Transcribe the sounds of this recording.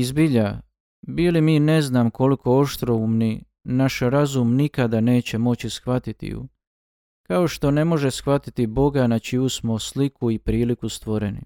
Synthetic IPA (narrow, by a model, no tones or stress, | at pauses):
izbiʎa | biːlimiːne̞znaːmko̞liko̞oʃt̪ɾo̞umni | naʃɾazumnikad̪ane̞ːt͡ɕe̞mo̞t͡ɕisxʋat̪it̪ḭjṵ | kao̞ʃt̪o̞ne̞mo̞ʒe̞sxʋat̪it̪ibo̞ɡanat͡ʃijusmo̞slikuipɾiːlikust̪ʋo̞ɾe̞nḭ